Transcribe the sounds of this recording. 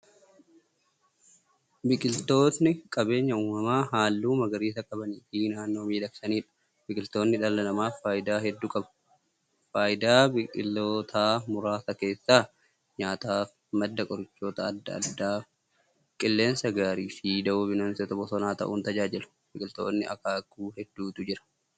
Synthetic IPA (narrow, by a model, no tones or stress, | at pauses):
bɪkʼɪlt̪o̞ːt̪nɪkʼɐbe̞ːɲːɐuːmɐmaːɦaːlːuːmɐɡɐɾiːsɐkʼɐbɐniːfiːnaːnːo̞ːmiːd̪ɐksɐniːᶑɐ̥ | bɪkʼɪlt̪o̞ːnːɪᶑ̪ɐlːɐlɐmaːfaːjɪd̪aːɦɛd̪ːuːkʼɐbɐ̥ | faːjɪd̪aːbɪkʼɪlːoːt̪ʰaːmʊɾaːsɐke̞ːsːaː | ɲaːt̪aːf | mɐd̪ːɐkʼɔɾɪt͡ʃːo̞ːt̪ɐːd̪ːɐɐ̰d̪ːaː | kʼɪlːe̞ːnsɐɡaːɾiːfid̪ɐʔobɪnɐːnsɛt̪ɐbɔsɔnaːt̪ɐ̰ʔuːnt̪ɐd͡ʒaːd͡ʒɪlʊ̥ | bɪkʼɪlt̪o̞̰ːnːɪɐ̰kaːɡuːhɛd̪ːuːt̪ʊd͡ʒɪɾɐ̥